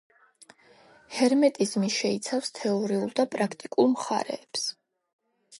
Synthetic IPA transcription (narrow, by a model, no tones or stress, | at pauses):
hɛɾmɛt̪ʼizmiʃɛit̪sʰafst̪ʰɛɔɾiulˠd̪apʼɾakʰt̪ʼikʼulˠmχa̰ɾɛ̰ːps